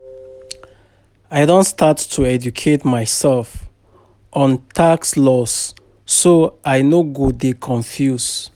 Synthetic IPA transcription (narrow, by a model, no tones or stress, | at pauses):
aɪdõntstʰatːʰuɛd͡ʒukʰetmaɪsɛlf | ʔɔ̃ntʰakslɔsː | oaɪnoɡodekʰɔ̃ɱfjus